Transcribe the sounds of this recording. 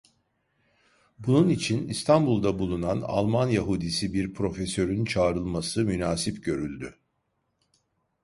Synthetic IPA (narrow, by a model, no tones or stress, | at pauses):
bununit͡ʃʰinist̪ʰanbulˠd̪abulˠunana̰lˠmanjaɦud̪isibiɾpʰɾo̞fesø̞ɾynt͡ʃʰaːɾɯlˠmasɯmynaːsipɟø̞ɾylʲd̪y